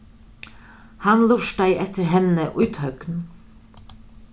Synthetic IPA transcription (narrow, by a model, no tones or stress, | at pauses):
hanlʊʃd̪aɪʔɛht̪əɾɦɛnːəʔʊjt̪hœkn